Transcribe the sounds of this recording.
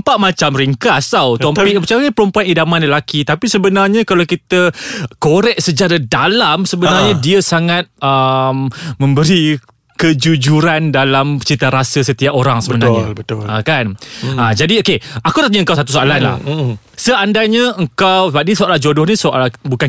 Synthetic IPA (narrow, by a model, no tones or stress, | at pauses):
mpaʔmat͡ʃamɾiŋkast̪awt̪omik̚bət͡ʃakapəɾəmpuanidamãnləlakit̪apisəbənarɲãkalawkit̪əkoɾɛk̚səd͡ʒaɾadalamsəbənarɲadiəsaŋat̪̚əmmə̃mbəɾi | kəd͡ʒud͡ʒuɾandalamt͡ʃit̪aɾasəsət̪iaʔoɾaŋsəbənarɲabəakanad͡ʒadiokeakudat̪aɲəəŋkawsat̪usoalanla̰h | səandaɲəəŋkawsəbap̚nisoʔalahd͡ʒodʊhnisoa̰labukan